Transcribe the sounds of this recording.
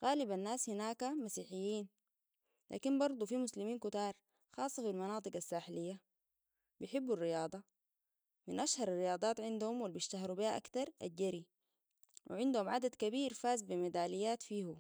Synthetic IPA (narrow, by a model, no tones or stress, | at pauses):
ɣaːlibanːaːshinaːkamasiːħijːiːn | lʔa̰ːkinbɑɾˤd̪ˤufimuslimiːnkut̪ɑːɾˤ | xɑːsˤːɑfilmɑnɑːt̪ˤɨɡasːaːħlijːa | bijħɪbːurːijɑːd̪ˤɑ | minʔaʃhɑɾˤɑrːijɑːd̪ˤɑːt̪ʕɪnd̪uhumwalbiʃt̪aɦɑɾubihaʔa̰kt̪ɑɾˤʔa̰d͡ʒːaɾi | wʔḭʕɪnd̪uhumʕad̪ad̪kabiːɾfaːzbimad̪aːlijːaːt̪fiːhu